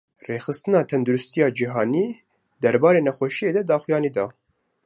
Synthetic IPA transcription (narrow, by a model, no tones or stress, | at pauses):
reːxɨst̪ɨnɑːt̪ʰɛnd̪uɾʊst̪ijɑːd͡ʒiɦɑːniː | d̪ɛɾbɑːɾeːnɛxʷɛʃijeːd̪ɛd̪ɑːxujɑːniːd̪ɑː